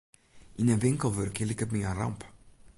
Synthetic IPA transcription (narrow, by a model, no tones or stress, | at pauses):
ĩnɐbẽŋkɐwveɾɐkelikɐmĩɲarɐ̰̃mpɐ̥